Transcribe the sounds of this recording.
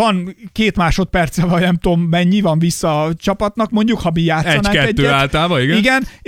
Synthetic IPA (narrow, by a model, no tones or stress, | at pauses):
ɒnkeːt̪maːʃo̞t̪pɛrt̪sɛvɒjnɛmt̪oːmːɛɲːivɒɱvisːɒːt͡ʃɒpɒt̪nɒkmo̞ɲɟukhɒbijaːt̪ːɛɔnɛkɛɛd̪ːøːaːlt̪aːvɒiɡɛinɡɛn